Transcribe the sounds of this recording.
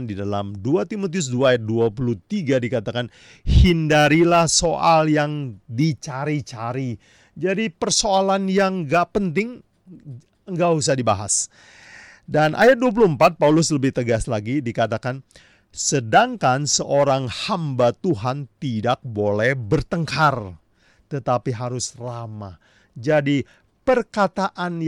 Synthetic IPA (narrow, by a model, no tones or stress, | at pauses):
ndidala̰mduat̪imot̪̬iʊs̬duaːjat̪̚duapulut̪iɡadikat̪akan | hindaɾilahsoʔaljaŋdit͡ʃaɾit͡ʃaɾi | d͡ʒadipərsoalanjaŋɡaʔpənt̪ɪŋ | əŋɡaʔhus̬ahdibaɦa̰s | danʔa̰jat̪̚duap̬uluhəmpat̪̚paulʊsləbɪht̪əɡaslaɡidikat̪̬akan | sədaŋkansəʔoɾaŋhambat̪uɦant̪idak̚bolɛhbərt̪əŋkar | t̪ət̪apiɦaɾʊsrama̰ | d͡ʒadi | pərkat̪aʔan